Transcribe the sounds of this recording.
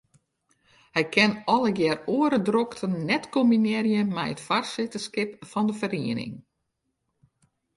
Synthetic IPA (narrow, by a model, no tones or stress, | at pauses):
hɛjkʰɪnɔləɡjɛroːəɾədroktʰənnɛtkɔminɛrjəmɛjətfarsɪtəskɪpfɔndəfəriənɪ̰ŋ